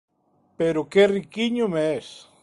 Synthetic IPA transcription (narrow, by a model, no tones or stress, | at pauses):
peɾʊkerikiɲʊmeɛs